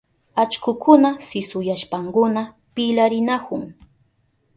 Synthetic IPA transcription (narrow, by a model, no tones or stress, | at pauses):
at͡ʃkʊkʰʊnasɪsʊjaʃpaŋkʊna | pɪlaɾɪnakʊŋ